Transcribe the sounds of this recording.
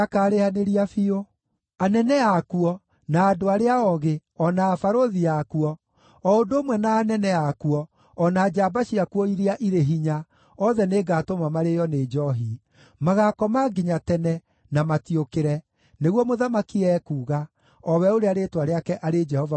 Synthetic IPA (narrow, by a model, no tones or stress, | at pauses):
akaːɾehaneɾiafio | anɛnɛakuɔ | naːdoaɾeaɔɣeɔnaːfaɾoðiakuɔ | ɔodoːmwɛnaːnɛnɛakuɔ | ɔnaːd͡ʒabaʃiakuɔiɾiaʔiɾeɦiɲa | ɔðɛneːɡaːtomamaɾejɔned͡ʒɔɦi | maɣaːkɔmaɡiɲatɛnɛ | namatiokeɾɛ | neɣwɔmoðamakiɛːkuːɣa | ɔwɛoɾeaɾetwaɾeakɛʔaɾed͡ʒɛhɔva